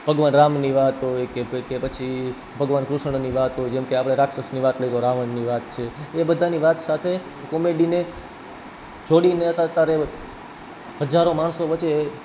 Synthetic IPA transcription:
b̥ʱəɡʋanɾamniʋat̪ɦojkekepət͡ʃʰi | bʱəɡʋankɾʊʃəɳ̃niʋat̪ɦojd͡ʒɛmkeapɽ̃eɾakʃəsniʋat̪ləjd̪oɾaʋəɳniʋat̪̚t͡ʃʰeːbəd̪ʱaniʋat̪sat̪ʰe | kɔmeɖine | t͡ʃʰoɽineət̪ət̪aɾe | ɦəd͡ʒaɾomaɳsoʋət͡ʃe

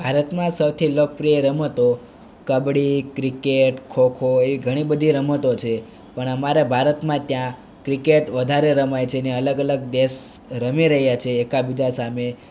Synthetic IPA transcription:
bʱaɾət̪mãsəwt̪ʰilək̚pɾijeɾəmət̪o | kəbɽikɾikeʈkʰokʰoeʋiɡʱəɽ̃ibəd̪ʱiɾəmət̪ot͡ʃʰe | pəɳəmaɾebʱaɾət̪mãt̪jã | kɾikeʈʋəd̪ʱaɾeɾəmajt͡ʃʰeneələɡələɡ̚d̪eʃ | ɾəmiɾəɦjat͡ʃʰeːkabid͡ʒasame

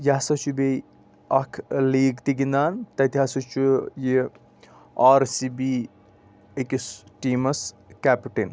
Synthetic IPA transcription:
jasɐt͡ʃʰubej | ɐkʰliːɡt̪iɡind̪aːnt̪ɐt̪iɦasɐt͡ʃʰuji | aːɾsibi | ekisʈiːmɐs | kapiʈen

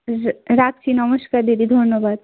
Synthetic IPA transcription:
ɾak̚t͡ʃʰinɐməʃkaɾd̪id̪id̪ʱonjəbaːd̪̚

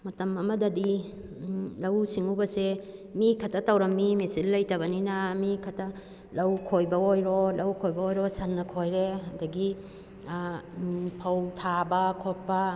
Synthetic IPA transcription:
mɐtɐmɐmɐdɐdi | lɐwsiŋubɐsemikʰɐtʰɐtɐwɾɐmːimesilːɐjtɐβɐninɐmikʰɐtʰɐ | lɐwkʰojbɐojɾolɐwkʰojbɐojɾosɐnːɐkʰojɾeɐndɐɡi | pʰɐwtʰabɐkʰot̚pɐ

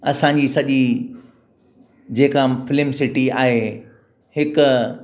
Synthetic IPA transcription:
ɐsãɲd͡ʑiːsɐʄi | d͡ʑeːkãfɪlɪmsɪʈiaːɦe | hɪkʊ

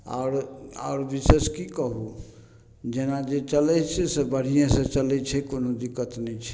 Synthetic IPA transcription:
a̰ʊɾa̰ʊɾbiseskikəɦu | d͡ʒenad͡ʒet͡ʃəlɛt͡ʃʰɛsebəɽ̤ijẽsə̃t͡ʃəlɛt͡ʃʰɛkonod̪ikːət̪nɛt͡ʃʰɛ̥

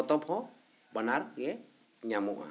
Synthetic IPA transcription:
ɔt̪ɔpʰɔ | bənaɾɡɛ | ɲamuʔa̰

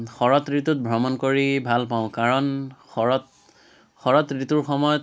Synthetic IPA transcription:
xɔɹɔtɹitut̚bʱɹɔmɔnkoɹibʱalpaʊ̃kaɹɔnxɔɹɔt | xɔɹɔtɹituɹxɔmɔjɔt

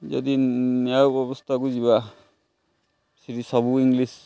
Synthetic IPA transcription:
d͡ʒʌ̰d̪ineawbɔbɔst̪ʰakuziba | siɾisʌbuiŋɡlis

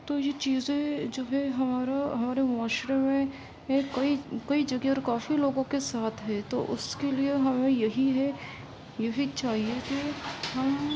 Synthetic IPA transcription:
t̪oːjet͡ʃiːzẽd͡ʒoːɦɛɦɐmaːɾaɦɐmaːɾemʊaːʃɾemẽ | ẽkɐikɐid͡ʒɐɡeɔːɾkaːfiloːɡõkesaːt̪ʰɦɛt̪o̰ʔʊskelieɦɐmẽjɐɦiɦɛ | jɐɦit͡ʃaːɦiekiɦɐm

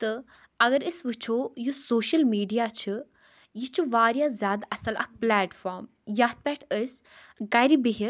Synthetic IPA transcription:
t̪ɨ | ɐɡɐɾəsʋɨt͡ʃʰoːjusoːʃɐlmiːɖijaːt͡ʃʰɨ | jit͡ʃʰuʋaːɾjazʲjaːd̪ɐsɐlɐk̚plɛːʈfaːɾm | jaːt̪̚pɛːʈʰəs | ɡɐjɾibiɦi

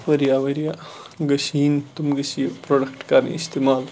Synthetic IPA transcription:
ʋɐɾijaʋɐɾijaɡɐʃiːnt̪umɡɐʃipɾoːɖɐkʈkaɾnḭist̪emaːl

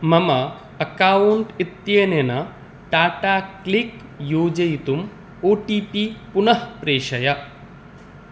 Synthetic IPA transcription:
mɐmɐ | ɐkaːuɳʈit̪jenenɐ | ʈaːʈaːklik | joːd͡ʒɐjt̪um | oːʈiːpipunɐɦpɾeːʃɐjɐ

